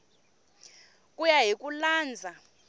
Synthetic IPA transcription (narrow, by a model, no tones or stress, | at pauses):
kʼujaɦik̬ʼulaːnd͡zʱa